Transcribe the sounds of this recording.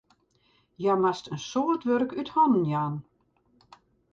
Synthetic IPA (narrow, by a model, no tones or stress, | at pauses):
jamastənsoːrtʋørkythɔnən̩jaːn